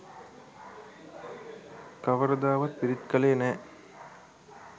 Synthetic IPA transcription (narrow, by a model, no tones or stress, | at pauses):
kɐʋɐɾɐd̪aːʋɐt̪̚piɾɪt̪kɐleːnɛ